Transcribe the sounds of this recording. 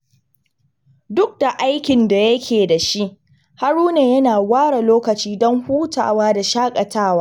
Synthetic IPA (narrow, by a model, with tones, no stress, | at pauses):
dʊ˦k̚da˨ʔa˦jkʲɪ˨nda˨jɐ˦kʲʰeː˨da˨ʃi˦ʔ | ha˦ɽuː˦neː˨jɐ˦naː˨waː˦ɽa˨loː˦kɐ˨t͡ʃiː˦dɔ˦ŋhuː˦ta̰ː˨waː˦da˨ʃaː˦kʼɐ˨tʰaː˦˨waː˦